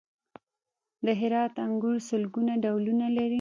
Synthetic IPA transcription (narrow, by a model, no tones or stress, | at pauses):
d̪əɦɪɾɑt̪aŋɡuɾsʊlɡunaɖawlunalaɾi